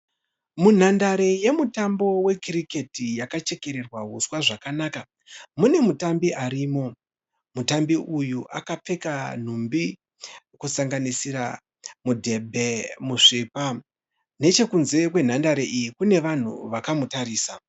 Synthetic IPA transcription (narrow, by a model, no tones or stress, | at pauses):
mun̤andaɾeje̞mutambo̞we̞kiɾike̞tijakat͡ʃe̞ke̞ɾe̞rwaɦuswaʐakanaːka | mune̞mutambiʔaɾiːmo̞ | mutambiʔujuʔa̰kap͡fe̞kan̤umbi | kusaŋɡanisiɾa̰ | mudʱe̞bʱemuʂiːpa | ne̞t͡ʃe̞kunze̞kwe̞n̤andaɾeʔijikune̞ʋan̤ṵʋakamutaɾiːsa